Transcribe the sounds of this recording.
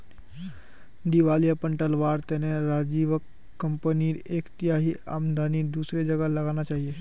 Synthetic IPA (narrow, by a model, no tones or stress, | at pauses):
d̪iʋalijapəɳʈəlʋaɾt̪ɛneɾad͡ʒiʋəkː | əmpəniɾeːkt̪jaɦiːʔa̰ːmd̪ʱanid̪uːsɾed͡ʒəɡaləɡanat͡ʃaɦije